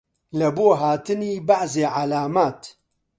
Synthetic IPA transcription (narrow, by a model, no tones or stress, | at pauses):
lɐboːɦaːt̪ɨniːbaħzeːʕalaːmaːt̪